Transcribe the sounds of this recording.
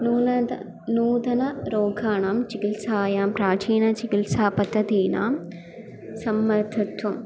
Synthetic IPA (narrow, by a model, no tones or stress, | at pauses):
nuːɐ | nuːd̪ɐnɐɾoːɡʱaːɳaːmt͡ʃikilsaːjaːmpɾaːt͡ʃiːnɐt͡ʃikilsaːpɐt̪ɐd̪iːna̰ːm | sɐmːɐɾt̪ʰɐt̪um